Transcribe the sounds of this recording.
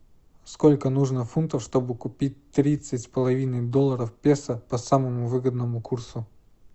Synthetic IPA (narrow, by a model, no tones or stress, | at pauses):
skolʲkənuʐnəfunt̪əfʂt̪obɨkʊpʲit̚ʲt̪ɾʲit̪sɨtʲspəlˠɐvʲinɨd̪olˠːəɾəfpʲesəpɐsaməmʊvɨɡəd̪nəmʊkʰursʊ